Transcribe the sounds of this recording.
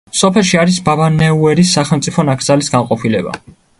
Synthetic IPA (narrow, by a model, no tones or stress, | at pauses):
sɔpʰɛlˠʃiaɾisbavanɛuɛɾisːaχɛlˠmt̪sʼipʰɔnakʰd̪zalisɡanqʼɔpʰilɛba̰